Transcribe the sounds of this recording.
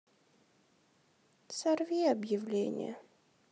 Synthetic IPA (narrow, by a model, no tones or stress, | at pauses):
sɐrvʲiɐbjɪvlʲenʲɪ̰jə̰